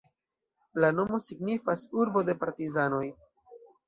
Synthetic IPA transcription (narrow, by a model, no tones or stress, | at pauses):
lano̞mo̞siɡnifasuɾbo̞de̞paɾtizano̞j